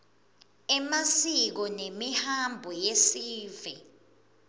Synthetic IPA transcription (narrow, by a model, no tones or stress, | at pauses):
ɛmasik̬ɔnemihambʱɔjesiːvɛ